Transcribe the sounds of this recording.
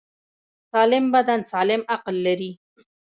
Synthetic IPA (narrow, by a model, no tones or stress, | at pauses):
sɑlɪmbad̪ansɑlɪmaqlːaɾi